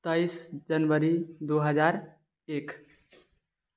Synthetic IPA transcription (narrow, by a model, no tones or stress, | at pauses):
t̪əjsd͡ʒənʋəɾid̪uɦəd͡ʒaɾ | ek